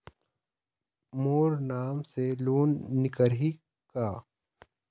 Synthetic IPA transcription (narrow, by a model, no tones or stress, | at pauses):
moːɾnaːmseloːnːɪkəɾɦi | kaː